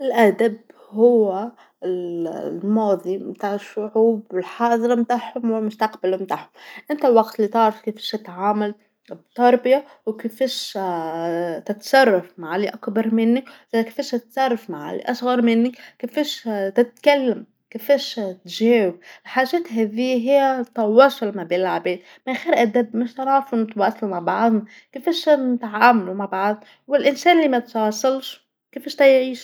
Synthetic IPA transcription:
ɪlʔæd̪ab | hʊwːɪ | lmɑːðˤimt̪aːʕɪʃːʊʕuːbwɪlħɑːðˤɾˤɑmt̪aːħhʊmwɪmʊst̪ɑqbalmt̪aːħhʊmʔɪnt̪awɑɡt̪lit̪ɑʕɾɑfkefɛʃɪt̪ʕaːmal | bt̪ɑɾˤbɪja | wkɪfɛːʃ | t̪ɪt̪sˤɑrˤːɑfmaʕliʔakbɑɾˤmɪnːiʔke̥fɛːʃɪt̪sˤɑrˤːɑfmaʕa̰lḭʔɑʃɣɑɾˤmɪnːikefæːʃt̪ɪt̪̚kælːæm | kɪfæːʃt̪ʒæːwɪb̚ɪlħaːʒæːt̪ɦæːðiːɦɪjːæt̪ɑwːɑːsˤʊlmabeːlʕabeːd̪ | mɪnxiːɾʔæd̪æbmɪʃt̪ɑnɑːfunt̪wɑːsˤːɑlmaʕbɑʕd̪ˤ | kɪfæːʃnt̪ʕaːmʊlumaʕbɑʕd̪ˤ | wɪlʔɪnsæːnlːimæt̪wɑːsˤɑlʃ | kefæʃt̪æjʕiːʃ

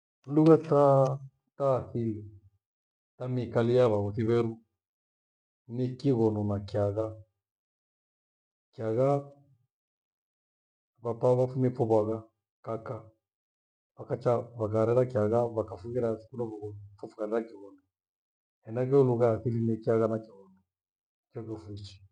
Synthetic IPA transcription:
nduɣata | taːθili | tamikalijaβaɣɔθiβɛɾu | nekiɣɔnɔnakiaɣa | kiaɣa | βapaβafumɛfɔβaɣa | kaka | βakat͡ʃaβakaɾɛɾakiaɣaβakafuɣɛɾai̥kunɔvuɣɔnɔfufuɣaɾɛɾakiɣɔnɔ | ɛnaɣɛuluɣaaθilinikiaɣanakiɣɔnɔ | kɔkɛfit͡ʃi̥

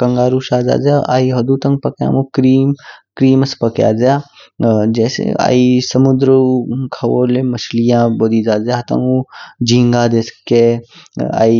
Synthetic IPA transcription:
kɐŋɡaːɾuʃaːza̰ːd͡ʒaʔa̰ːiɦɐd̪ut̪ɐŋɡpɐkja̰ːmukɾiːmkɾiːmɐspɐkja̰ːzjaː | d͡ʒɛːsḛa̰ːisɐmud̪ɾəkʰɐwoːlemɐʃlijãːboːd̪iːzaːzjaɐt̪a̰ud͡ʒĩːŋɡaːd̪eːske | a̰ːi

